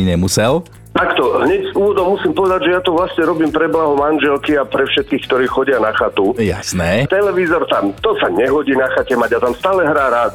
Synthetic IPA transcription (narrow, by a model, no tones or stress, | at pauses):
ɲɛmusɛl | t̪akt̪ɔɦɲɛɟzuːʋɔd̪ɔmːusiːmpɔʋɛd̪aɟʒɛjat̪ɔʋlasɲɛɾɔbiːmpɾɛblaɦɔmanʒɛlkiapɾɛfʃɛt̪̚kiːxkt̪ɔɾiːxɔɟɪanaxat̪uja̰snɛːt̪ɛlɛʋizɔɾt̪amt̪ɔsaɲɛɦɔɟiːnaxacɛmaɟat̪amst̪aːlɛɦɾaːɾaːt̪